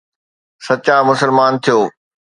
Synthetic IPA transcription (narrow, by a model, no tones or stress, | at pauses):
sɐt͡ɕamʊsəlmaːnt̪ʰijoː